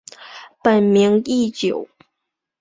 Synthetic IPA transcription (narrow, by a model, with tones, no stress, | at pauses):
pə˨˩nmi˧˥ŋi˥˩t͡ɕjo˨˩˦ʊ